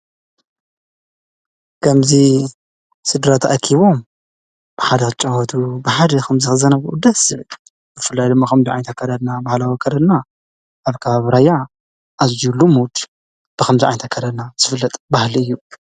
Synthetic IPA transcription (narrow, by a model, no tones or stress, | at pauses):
kʰɐmzi | sɨd̪ɾat̪ʰɐ̰ʔɐkʰːiβo̞m | b̥ɨħad̪ɐxɨt͡ʃʼɐwɔt̪ʰubɨħad̪ɐkʰɐmzɨxɨzɐnɐβuud̪ɐsɨβɨl | zɨfɨlːajd̪ɨmːaxɐmziʕa̰jnt̪ʰɐkʰɐd̪ɐd̪nabahlawikʰɐd̪ɐd̪na | ʔaβkʰɐβaβɾaja | ʔazijulumud̪ | b̥ɨxɐmziʔʕajnt̪ʰɐkʰːɐd̪ɐd̪naz̥ɨfɨlːɐt̪ʼbahliɨjːu